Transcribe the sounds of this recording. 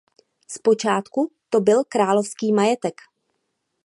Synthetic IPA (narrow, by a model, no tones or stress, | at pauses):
spo̞t͡ʃaːt̪kut̪o̞bɪlkɾaːlofskiːmajɛt̪ɛk